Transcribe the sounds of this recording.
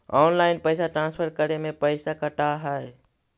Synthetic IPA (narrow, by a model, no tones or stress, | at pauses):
ɔːnlaɪnpəɪsaʈɾãːnspʰəɾkəɾemẽpəɪsakəʈaɦəj